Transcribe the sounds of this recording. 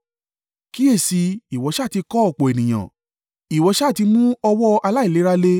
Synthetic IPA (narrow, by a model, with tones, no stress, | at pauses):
ki˦e˦˨si˧i˨wɔ˨˧˦ʃa˦˨ti˧kɔ˦ɔ˦˨k͡po˨e˨nĩ˨j̃ã̰˨ | i˨wɔ˨˦ʃa˦˨ti˧mũ˦ɔ˧wɔ˦ʔa˧la˦i˦˨le˨˦ɾa˦le˦